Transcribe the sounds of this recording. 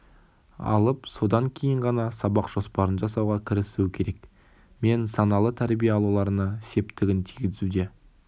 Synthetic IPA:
ɑ̰lˠəpso̞d̪ɑŋkʲʰe̞jɪɴʁɑnɑsɑbɑqʒ̥o̞spɑɾənʒɑsɑwʁɑkʲʰɪɾɪsuwkʲʰe̞ɾe̞k | me̞nsɑnɑlˠət̪ʰæɾbijeɑlˠulˠɑɾənɑse̞pt̪ɪɡʲɪnt̪ʰijɡʲɪzud̪e̞

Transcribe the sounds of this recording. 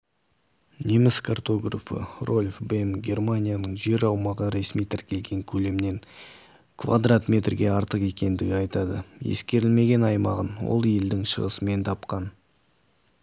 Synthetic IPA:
nʲemɪskʰart̪o̞ɡra̰fə̰rʔo̞lʲfbe̞nɡʲe̞rmanʲijanəɴʒe̞ɾɑwmɑʁəɾe̞smijt̪ʰɪɾkʲe̞lɡʲe̞ŋkʲʰɵle̞mne̞ŋ | kʰva̰d̪rat̪mʲe̞t̪rɡʲe̞ɑɾt̪əqe̞kʲe̞nd̪ɪɡʲɪɑjt̪ɑd̪əjḛskʲe̞ɾɪlme̞ɡʲe̞nɑjmɑʁənwo̰lˠje̞ld̪ɪŋʃə̰ʁə̰səme̞nt̪ʰɑpqɑn

